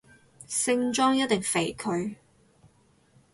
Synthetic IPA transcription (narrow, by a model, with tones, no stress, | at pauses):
sɪ˥ŋt͡ʃɔː˥ŋjɐ˥t̚t̪ɪ˨ŋfe˨˩jkʰɵ˧ɥ